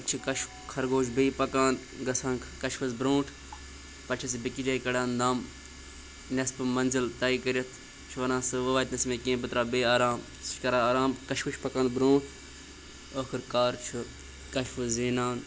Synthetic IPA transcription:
t͡ʃʰukɐʃ | kʰɐɾɡoːʃbeipɐkaːn | ɡɐsʰãːnkʰkɐʃfuzbɾõːʈʰ | pɐt͡ʃʰɐs̬ibikid͡ʒaːikɐɽaːnd̪ɐm | nʲɐspɨmɐnzɐlt̪aːikɐɾʲjɐt̪ʰ | t͡ʃʰuʋɐnãːsɨʋɐʋaːt̪nɐsmẽːkẽːbɨt̪ɾaːbeːaːɾaːm | skɐɾaːaːɾaːmkɐʃfuʃpɐkaːnbɾõːʈʰ | oːkʰɨɾkaːɾt͡ʃʰu | kɐʃfuzziːnaːn

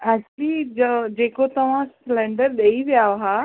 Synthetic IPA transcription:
ɛːk̚t͡ɕʊlid͡ʑod͡ʑeːkot̪ɐʋ̤ãslɛ̃ːɳɖəɾɗeiʋijaɦa

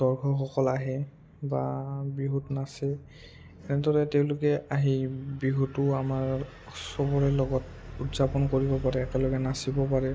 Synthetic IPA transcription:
dɔɹkʰɔxɔkɔlaɦɛ | babɹiɦutnasɛ | ɛnɛdɔɹɛteʊ̃lʊkɛʔaɦibɹiɦutʊamaɹ | sɔbɔɹɛlɔɡɔtutzapɔnkoɹibɔpaɹɛːkɛlɔɡɛnasibɔpaɹɛ

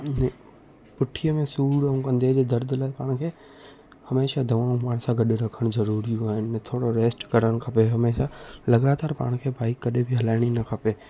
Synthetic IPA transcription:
ñ | pʊʈʰijəmẽsuːɾɐɦũkɐ̃nd̪ed͡ʑeːd̪ɐɾd̪ʱlaːpaːɽ̃kʰeː | hɐmeːʃad̪ʱɐʋãːũpaːɽ̃sãɡʱɐɗeɾɐkʰəɽ̃zɐɾuːɾijũaːɦɪñt̪ʰoːɽoɾeːsʈkɐɾəɽ̃kʰɐpeɦɐmeːʃalɐɡaːt̪aːɾpa̰ːɽ̃kʰeːbʱaːɪkːɐɗebʱiɦɐlaːɪɽ̃inɐkʰapeː

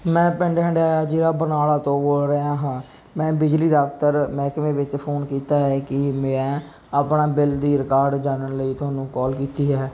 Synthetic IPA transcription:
mɛ̃ːpɛ̃ɳɖɛ̃ːɳɖaːaːd͡ʒiːɾaːbənaːlaːt̪õːboːlɾeaːɦãː | mɛ̃ːbɪd͡ʒliːɖaːkt̪əɾmɛ̃ːkmẽːʋɪt͡ʃpʰoːnkiːt̪aːɦɛːkɪmɛ̃ː | aːpnaːbɪld̪iːɾɪkaːɾɖd͡ʒaːnənləiːt̪ʰʊaːnũːkɔːlkiːt̪iːɦɛː

